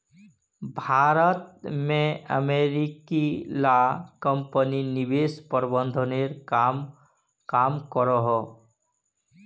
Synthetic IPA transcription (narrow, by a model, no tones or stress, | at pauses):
bʱaːɾət̪̚mẽə̰meɾikilakəmpəninibespəɾbənd̪ʱɔneɾkam | kamkɔɾɔɦɔ